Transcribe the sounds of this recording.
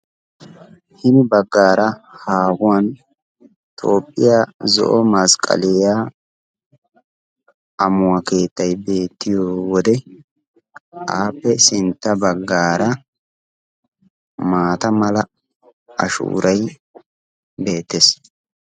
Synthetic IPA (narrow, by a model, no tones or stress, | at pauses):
hɪnɪbɐɡːaːɾɐhaːɡʊwan | t̪ʰoːpʼːɪjaːzɔ̰ʔɔmɐskʼɐ̰lɛjaː | ɐmʊwake̞ːt̪ːɐjbe̞ːt̪ːɪjoːwɔd̪ɛ | ʔaːpːɛsɪnt̪ːɐbɐɡːaːɾɐ | maːt̪ɐmɐlɐ | ɐ̰ʃṵːɾʔɐj | be̞ːt̪ːes